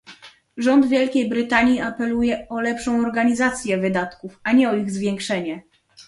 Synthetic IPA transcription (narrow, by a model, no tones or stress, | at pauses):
ʐɔnd̪vʲjɛlkʲejbɾɘt̪aɲjiapɛlujɛɔlɛpʂɔ̃w̃ɔɾɡaɲizat̪sʲjɛvɘd̪at̪kufaɲɛɔiɣzvʲjɛŋkʂɛɲɛ